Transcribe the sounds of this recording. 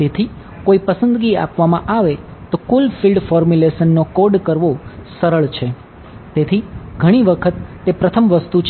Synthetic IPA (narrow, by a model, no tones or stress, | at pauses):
t̪et̪ʰi | koipəsənd̪ɡia̰pʋamãʔaʋet̪okulfilɖfɔɾmjuleʃənːokoɾɖkəɾʋosəɾəɭt͡ʃʰe | t̪et̪ʰiɡʱəɽ̃iʋəkʰət̪ːepɾət̪ʰəmʋəst̪ut͡ʃʰ